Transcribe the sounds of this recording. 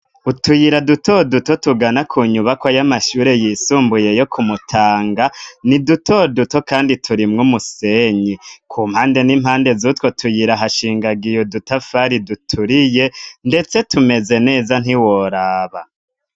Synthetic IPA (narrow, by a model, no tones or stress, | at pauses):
utujiɾadutʰo̞duto̞tuɡanakʰuːɲuβakwajamaʃuːɾe̞jisuːmbuje̞jo̞kʰumutʰaːŋɡanidutʰo̞duto̞kaːnditʰuɾimŋumuse̞ːɲikʰuːmhaːnde̞nim̥haːnde̞zutwotʰujiɾaɦaʃiːŋɡaɡijodutafaɾidutʰuɾije̞nde̞t͡se̞tume̞ze̞ne̞ːzan̥iwoɾaːβa